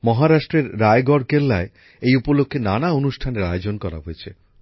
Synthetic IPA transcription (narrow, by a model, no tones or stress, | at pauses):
mɔɦaɾaʃʈɾeɾːaeɡɔɾkelːae | ejupolokʰːenanaonuʃʈʰaneɾajod͡ʑonkɔɾa̰ɦojet͡ɕʰe